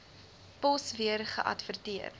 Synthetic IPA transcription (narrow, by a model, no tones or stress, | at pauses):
pɔsviərχə̰ʔɐ̰tvərtiər